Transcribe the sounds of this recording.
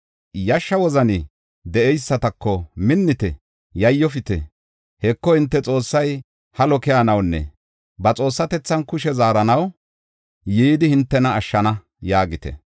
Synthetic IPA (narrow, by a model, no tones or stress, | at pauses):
jɐʃːɐwɔzɐnɪ | d̪ɛʔɛjsːɐt̪ɐkːɔmɪnːɪt̪ɛ | jɐjːɔfɪt̪ɛ̰ | hɛkːɔhɪnt̪ːɛt͡sʼo̞ːsːɐj | hɐlɔkɪjaːnɐwnːɛ̰ | bɐt͡sʼo̞ːsːɐt̪ɛt͡sːɐnkʊʃɛzaːɾɐnɐw | jiːd̪ɪhɪnt̪ːɛnɐːʃːɐnɐ | jaːɡɪt̪ɛ̰